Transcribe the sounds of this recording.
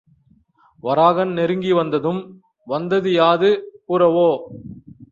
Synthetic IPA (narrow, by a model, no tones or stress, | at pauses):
ʋɐɾaːɣɐnnɛɾɯŋɡiʋɐnd̪ɐðɯm | ʋɐnd̪ɐðɯjaːðɯkuːɾɐʋoː